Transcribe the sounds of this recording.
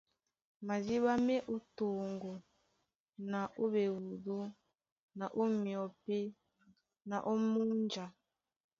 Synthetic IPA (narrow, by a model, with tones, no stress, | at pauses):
ma˨zi˦βa˦me˦ʔu˦to˨ŋɡo˨ | na˨ʔu˦βe˨wu˨du˦ | na˨ʔu˦mjɔ˨pe˦ | na˨ʔo˦mu˦nd͡ʒa˨